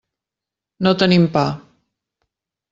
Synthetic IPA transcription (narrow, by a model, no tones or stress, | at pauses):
not̪ənimpa